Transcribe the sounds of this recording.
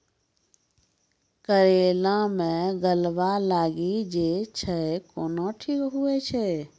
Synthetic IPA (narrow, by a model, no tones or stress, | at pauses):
kəɾelãmẽɡəlʋalaːɡid͡ʒet͡ʃʰəkoːnoʈʰikɦuet͡ʃʰɛ